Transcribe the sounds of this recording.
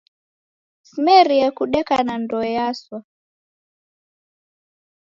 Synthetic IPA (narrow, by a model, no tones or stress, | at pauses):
smɛɾiɛkuɗɛkanandɔjaswa